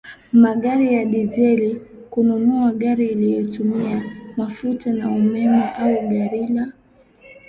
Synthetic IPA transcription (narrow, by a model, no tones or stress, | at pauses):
maɠaɾijaɗizɛli | kununuaɠaɾiːlijɔtumiamafutanaumɛmaʔauɡaɾila